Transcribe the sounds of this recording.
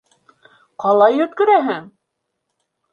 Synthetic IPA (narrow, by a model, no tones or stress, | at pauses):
qɑlˠɑjɵ̆t̪̚kɵ̆ɾæɦɘŋ